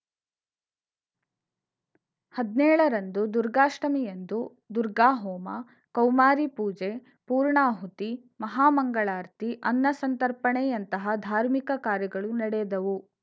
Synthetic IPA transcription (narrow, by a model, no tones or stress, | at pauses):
hɐd̪nɛːɭɐɾɐnd̪ud̪uɾɡaːʂʈɐmijend̪u | d̪uɾɡaːɦɔːmɐ̰ | kɐwmaːɾipuːd͡ʒe | puːɾɳaːɦut̪i | mɐɦaːmɐŋɡɐɭaːɾt̪ʰiʔɐnːɐsɐnt̪ɐɾpɐɳejɐnt̪ɐɦɐd̪ʱaːɾmikɐkaːɾjɐɡɐɭunɐɽɛːd̪ɐʋu